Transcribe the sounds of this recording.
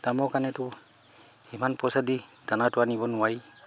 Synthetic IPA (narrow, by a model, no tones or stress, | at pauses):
d̥amɔkanɛtʊ | imanpɔsadid̥anatuanibɔnʊwaɹi